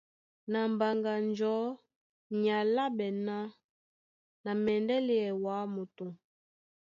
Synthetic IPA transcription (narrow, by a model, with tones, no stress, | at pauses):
na˨m˨ba˨ŋɡa˨nd͡ʒɔ˨˦ | ɲa˨la˦bɛ˨na˦ | na˨mɛ˨ndɛ˦li˦ɛ˨wa˨˦mo˨to˨